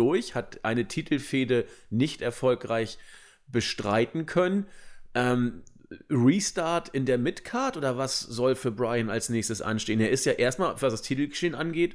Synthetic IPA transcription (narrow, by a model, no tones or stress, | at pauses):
ʊɐçhatʔa̰ɪnətʰiːtʰl̩feːdənɪçtʔɛɐfɔlkʁaɪç | b̥əʃtʁ̥aɪtn̩kʰœnənʔɛːm | ʁiːstaɐtɪndeːɐmɪtkʰaɐtʔoːdɐvasz̥ɔlfyːɐbʁaɪəna̰lsnɛːçstəsʔa̰nʃteːəneːɐɪstjaːʔeːɐstmaːlv̥asd̥astʰiːtl̩ɡəʃeːənʔanɡeːt